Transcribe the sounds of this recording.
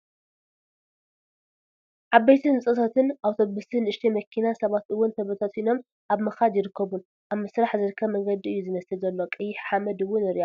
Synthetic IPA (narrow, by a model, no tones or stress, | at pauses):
ʕaβbejt̪ʰɨnɨt͡sʼɐt̪ʰat̪ʰɨnʔawt̪ʰo̞βɨst̪ɨnɨʃt̪ʰimɐkʰːinasɐβat̪ɨwːʊnt̪ʰɐβɐt̪ʰat̪ino̞m | ʔaβmɨxad̪jɪɾɨkʰːɐβun | ʔaβmɨsɾaħzɨɾɨkʰːɐβmɐŋɡɐd̪ːiʔɨjːuzɨmɐsɨlzɐlːo̞kʼɨjːɪħħamɐd̪ɨwːʊnɨɾiʔa